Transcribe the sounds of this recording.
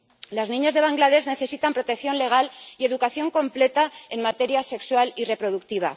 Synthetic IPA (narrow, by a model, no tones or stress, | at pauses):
laznĩɲazðe̞β̞aŋɡlaðe̞zne̞θe̞sit̪ampɾo̞t̪e̞kθjo̞nle̞ɣ̞alie̞ðukaθjo̞ŋkõ̞mple̞t̪ae̞nmat̪e̞ɾjase̞kswalire̞pɾo̞ðukt̪iβ̞a̰